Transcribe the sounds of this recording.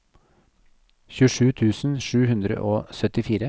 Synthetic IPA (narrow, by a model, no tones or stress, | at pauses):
çʉːʂʉːt̪ʰʉːsn̩ʃʉːhʉnd̪ɾə̰ʔoːsœt̪ɪfiːɾə